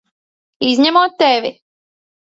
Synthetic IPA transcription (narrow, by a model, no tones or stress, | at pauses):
izɲɛmoːt̪ːɛʋʲi